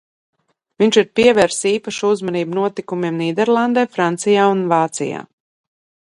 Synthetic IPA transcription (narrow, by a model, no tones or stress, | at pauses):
viɲt͡ʃiɾpiɛvɛːɾsiːpaʃuuzmaniːbunuɔt̪ikumiɛmniːd̪ɛɾlˠand̪ɛːfɾant̪sijaːunvaːt̪sḭja̰ː